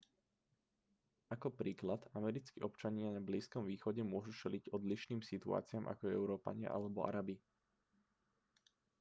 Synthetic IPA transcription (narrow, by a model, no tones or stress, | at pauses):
akɔpɾiːklad̪amɛɾit͡skiʔɔpt͡ʃaɲɪanabliːskɔmʋiːxɔɟɛmʊɔʒut͡ʃɛliɟɔd̪liʃniːmsit̪ua̰ːt͡sɪamʔa̰kɔɛɛʊɾɔːpa̰ɲɪa̰ʔa̰lɛbɔʔa̰ɾabi